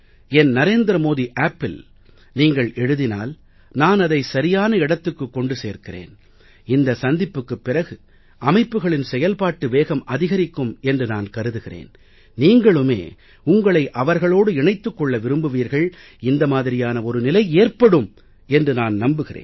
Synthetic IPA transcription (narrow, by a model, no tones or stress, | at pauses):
ɛnnɐɾeːnd̪ɾɐmoːðiʔaːpːɪl | niːŋɡɐɭɛɻɯðɪna̰ːl | naːnɐðɐɪsɐɾɪjaːnɐɪɽɐt̪ːɯkːɯkːɔɳɖɯseːɾkɪrḛːn | ɪnd̪ɐsɐnd̪ɪpːɯkːɯpːɪrɐɣɯ | ʔɐmɐɪpːɯɣɐɭɪnsɛjɐlpaːʈːɯʋeːɣɐmʔɐðɪɣɐɾɪkːɯmɛndrɯnaːnkɐɾɯðɯɣɪrḛːn | niːŋɡɐɭɯmḛː | ʊŋɡɐɭɐɪʔɐʋɐɾɣɐɭoːɽɯɪɳɐɪt̪ːɯkːɔɭːɐʋɪɾɯmbɯʋiːɾɣɐɭ | ɪnd̪ɐmaːðɪɾɪjaːnɐɔɾɯnɪlɐɪeːɾpɐɽɯm | ɛndrɯnaːnnɐmbɯɣɪrḛːn